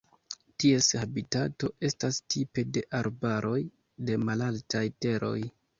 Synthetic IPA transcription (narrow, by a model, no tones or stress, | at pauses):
tie̞shabitato̞e̞stastʰipe̞de̞ʔaɾbaɾʔo̞j | de̞malaltajte̞ɾo̞̰j